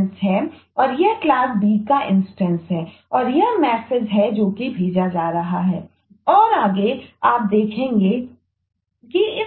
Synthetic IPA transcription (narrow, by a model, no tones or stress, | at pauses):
nsɦɛ | ɔːɾjeklaːsbiːkaʔɪ̃nsʈɛ̃nsɦɛː | ɔːɾjɐɦmɛːsed͡ʒɦɛd͡ʒoːkibʱeːd͡ʒad͡ʒaːɾɐɦaɦɛː | ɔːɾaːɡeaːp̚d̪eːkʰẽːŋɡe | kiɪ